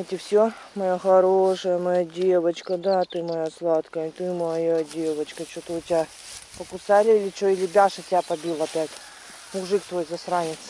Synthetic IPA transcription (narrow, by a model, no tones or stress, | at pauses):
ɛtʲɪfsʲo | mɐjaxɐɾoʂəjəmɐjadʲevət͡ɕkəd̪at̪ɨmɐjaslˠat̪kəjət̪ɨmɐjadʲevət͡ɕkət͡ɕot̪ɨʊtʲɪa | pəkʊsalʲɪilʲɪt͡ɕoilʲɪbʲaʂɐtʲɪapɐbʲilˠɐpʲætʲ | mʊʐɨkt̪vojzɐsɾanʲɪt̪s